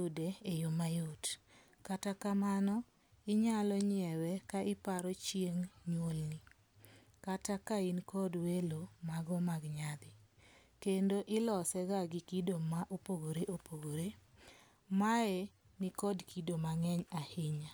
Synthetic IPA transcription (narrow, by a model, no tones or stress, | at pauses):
jʊdeejomajot | katakamanɔ | ɪɲalɔɲɛwɛkaʔɪpaɾɔt͡ʃjeŋɲwolni | katakaɪnkɔdwelomaɡɔmaɡɲad̪ɪ | kendoʔɪlɔsɛɡaɡɪkidomaʔopoɡoɾeʔopoɡoɾe | maɛ | nɪkɔdkʰidomaŋɛɲahɪɲa